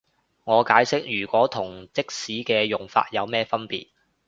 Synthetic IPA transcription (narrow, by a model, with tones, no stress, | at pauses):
ŋɔː˨˧kaː˨˥jsɪ˥k̚jyː˨˩kʷwɔː˨˥t̪ʰʊ˨˩ŋt͡sɪ˥k̚siː˨˥kɛː˧jʊ˨˩ŋfa̰ː˧t̚jɐ˨˧wmɛː˥fɐ˥npḭː˨t̚